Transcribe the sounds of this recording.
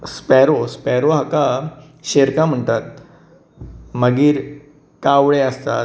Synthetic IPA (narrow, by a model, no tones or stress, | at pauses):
spɛɾospɛɾoɦaka | ɕeɾkam̤əɳt̪at̪̚ | məɡiːɾ | kaʋɭeəst̪a